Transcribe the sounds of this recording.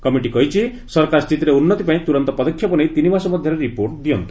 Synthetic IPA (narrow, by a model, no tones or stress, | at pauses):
kɔmiʈikɔɦit͡ʃʰi | sɔɾkaɾst̪ʰit̪iɾeunːɔt̪ipaĩt̪uɾɔnt̪ɔpɔd̪ɔkʰːjɔpɔnejt̪inibasɔmɔd̪ʱjɔɾeɾipoɾʈd̪iɔnt̪i̥